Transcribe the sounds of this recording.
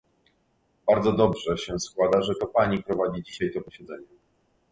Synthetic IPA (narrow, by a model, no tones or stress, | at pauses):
b̥aɾd̪zɔd̪ɔbʐɛɕɛskwad̪aʐɛt̪ɔpaɲipɾɔvad͡ʑid͡ʑiɕajt̪ɔpɔɕɛd̪zɛɲɛ